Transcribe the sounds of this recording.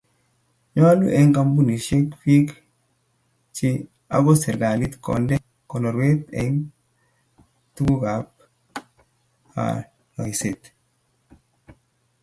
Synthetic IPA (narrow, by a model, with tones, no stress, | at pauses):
ɲwa˦lṵ˦ʔɛ˦ŋka˦mbu˦ni˨ʃe˦kfi˦k | t͡ʃi˦ | a̰˨ɡɔ˦sɛ˨ɾɡa˨li˦t̪kɔ̰˨ndɛ˦ | kɔ˨nɔ˨ɾwe˦t̪ɛ̰˨˦ŋ | tu˦ɡu˦ɡa˨˦p | a̰˨ | nɔ˨i˨se˨t̪